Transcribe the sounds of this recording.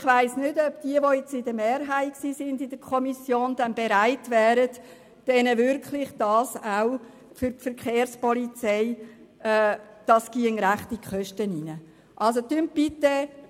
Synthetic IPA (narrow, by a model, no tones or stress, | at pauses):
χʋaɪsnʏdœpd̥iəʋojɛt͡sɪdəmeːɾɦaɪksiːsɪndɪd̥əkʰɔmisjoːndænbeɾaɪtʋɛːɾəd | d̥ɛnəvʏɾkʰlɪχd̥ɑːsaʊ | fʏɾtfəɾkχeːɾspɔlit͡seɪ | ɛːd̥ɑsɡ̥iːəŋɾæχtikχœʃtəninə | ʔɑlsot̪ymb̥ɪt̪ə